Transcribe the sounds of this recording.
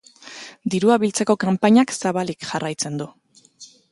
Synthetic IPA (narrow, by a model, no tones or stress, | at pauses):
d̪iɾuaβilt͡se̞ko̞kampaɲaksaβalikʝarajt͡se̞nd̪u